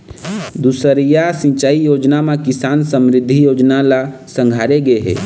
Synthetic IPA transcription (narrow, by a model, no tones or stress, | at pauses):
d̪usəɾijasĩt͡ʃaːijoːd͡ʒnamekɪsaːnsəmɾɪd̪ʱːijoːd͡ʒnalasə̃ŋɡʱaːɾeɡəeɦɛ̰ː